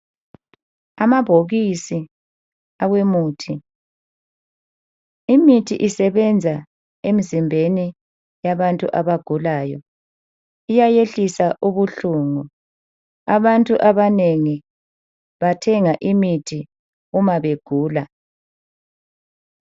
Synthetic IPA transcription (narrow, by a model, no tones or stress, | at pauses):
amaβʱoɣisi | awemuːtʰi | imitʰiʔisɛβɛnd͡zʱa | emizimbʱeni | jaβantʼṵʔaβaɡ̥ʱulaːjɔ | ijajeɬisaʔuβuɬuːŋu | aβantʼuʔaβaneŋi | βatʰɛŋaʔimitʰi | umaβeɡ̥ʱuːla